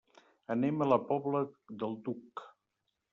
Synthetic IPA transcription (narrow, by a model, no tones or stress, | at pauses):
ənemələpɔβləd̪əlˠd̪uk